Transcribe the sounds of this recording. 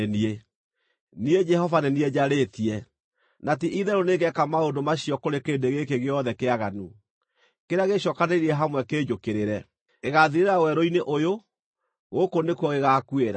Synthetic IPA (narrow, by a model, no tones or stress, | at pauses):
nie | nied͡ʒɛhɔvanɛnied͡ʑaɾetiɛ | nat̬iʔiðɛɾoneɡɛkamaondomaɕiɔkoɾekeːndeɣekeɣeɔðɛkeaɣanu | keɾeaɣeɕɔkaneiɾiɛɦamwɛkeːd͡ʒokeɾeɾɛ | eɣaðiɾeɾawɛɾoineʔojo | ɣokonekwɔɣeɣakueɾa̰